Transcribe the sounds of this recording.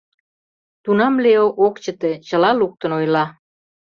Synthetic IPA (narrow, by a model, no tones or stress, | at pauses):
t̪unɑmleoʔokt͡ɕə̆t̪et͡ɕə̆lɑluk̚t̪ə̆nojlɑ